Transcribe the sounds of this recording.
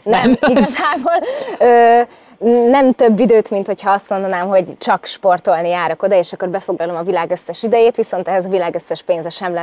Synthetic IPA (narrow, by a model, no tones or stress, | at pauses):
nɛmiɡɒzaːboløː | nɛmt̪ø̞bːid̪øːt̪mint̪ho̞chɒɒst̪mo̞nd̪ɒnaːmɦo̞ɟt͡ʃɒkʃpo̞rt̪o̞lnijaːɾɒko̞d̪ɒeːʃɒkːo̞rbɛfo̞ɡlɒlo̞mɒvilaːɡøsːɛʃid̪ɛjeːt̪ʋiso̞nt̪ɛɦɛzɒvilaːɡøsːɛʃpeːnzɛʃɛmlɛ